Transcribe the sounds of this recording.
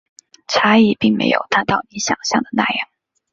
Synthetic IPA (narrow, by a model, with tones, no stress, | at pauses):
ʈ͡ʂʰa˥i˥˩pi˥˩ŋmḛ˧˥ɪjo̰˨˩ʊt̪a˥nt̪ɑ˥˩ʊni˧˥ɕjɑ̰˨˩ŋɕjɑ̰˥˩ŋd̪ə˩na̰˥˩jɑ˥˩ŋ